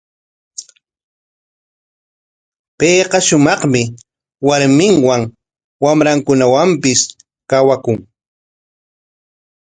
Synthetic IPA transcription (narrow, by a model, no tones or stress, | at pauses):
peːqɑʃʊmɑχmɪ | waɾmɪŋwaŋ | wamɾaŋkʊnawampɪs | kawakʊŋ